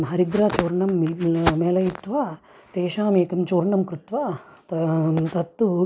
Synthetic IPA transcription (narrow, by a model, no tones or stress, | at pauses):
ɦɐɾid̪ɾaːt͡ʃoːɾɳɐmːimɛːlɐjit̪ʋaː | t̪eːʃaːmeːkɐmt͡ʃoːɾɳɐmkɾut̪ʋaːt̪t̪ɐt̪ːu